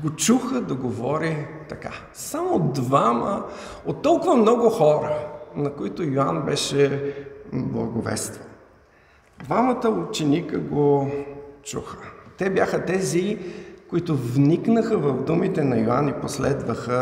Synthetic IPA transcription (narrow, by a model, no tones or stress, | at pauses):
ɡot͡ʃuxəd̪ɐɡovɔɾit̪ɐka̰ | samod̪vamə | ot̪ːɔlˠkʊvɐmnɔɡʊxɔɾənɐkʊit̪ʊjoanbɛʃɛ | blˠɐ̰ɡovɛ̰st̪von | d̪vamət̪əut͡ʃɛnikəɡo | t͡ʃṵxə̥t̪ɛbjaxət̪ɛzikoit̪ʊvniknəxəvɐvd̪umit̪ɛnɐjoa̰niposlɛ̰d̪vəxə